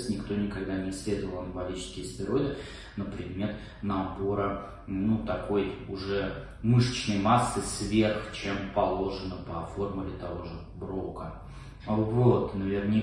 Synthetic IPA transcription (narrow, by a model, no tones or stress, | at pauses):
tʲnʲɪkt̪o̞nʲɪkɐɡd̪anʲɪslʲe̞d̪əvəlˠɐnvɐlʲit͡ɕɪ̥skʲəjəspɾʲɪɾo̞d̪ʲɪ | nopɾʲɪd̪mʲe̞t̪ | nɐbo̞ɾə | nut̪ɐko̞jʊʐɛ | mɨʂə̥t͡ɕnəjmasːɨsvʲe̞rxt͡ɕempɐlˠo̞ʐɨnəpɐfo̞rmʊlʲɪt̪ɐvo̞ʐɨ | bɾo̞kə | vot̪nəvʲɪrnʲɪ